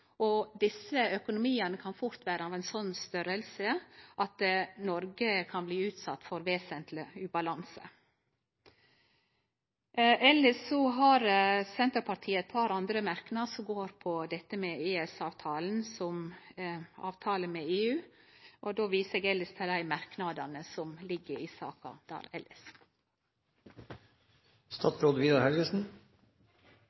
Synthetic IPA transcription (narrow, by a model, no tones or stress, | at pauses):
ɔd̪ɪsəœkʊnʊmiːənəkʰɑnfʊɾt̪ʋæːɾəɑːʋɛɪnsɔnːst̪œɾəlsəʔɑt̪nɔɾɡəkʰɑnbliːʉːt̪sɑt̪ːfɔɾʋeːsənt̪ʰləʉːbɑlɑnsə̰ | ɛlːəʂɔɦɑɾsɛnt̪əɾpʰɑʈ̪ʰiːəɛt̪pʰɑɾɑnd̪ɾəmæɾknɑsɔmɡoːɾpʰɔd̪ɛt̪ːəmeːeːɛsɑːʋt̪ʰɑːln̩sɔm | ɑ̰ːʋt̪ʰɑːləmeːeːʉː | ʔɔd̪oːʋiːsəɡɛləst̪ʰɪld̪æɪmɑɾknɑd̪ɑnəsɔmlɪɡːəɾiːsɑ̰ːkɑ̰d̪̥ɑ̰ːɾɛ̰ləs | st̪ɑt̪sɾoːd̪ʋiːd̪ɑɾhɛlɡəsn̩